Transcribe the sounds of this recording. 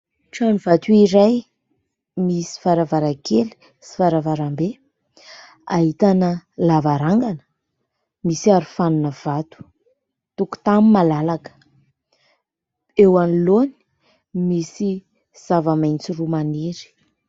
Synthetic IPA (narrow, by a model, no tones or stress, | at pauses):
ʈ͡ʂanivat̪uiɾaj | misi̥faɾavaɾakeli̥ | si̥faɾavaɾambe | a̰ɦit̪anəlavaɾaŋɡanə̥ | misiaɾufanunəv̥at̪u̥ | t̪uku̥t̪amimalalakə̥ | ewaniloni̥ | misi | z̥avamajnt͡sirumaniɾi̥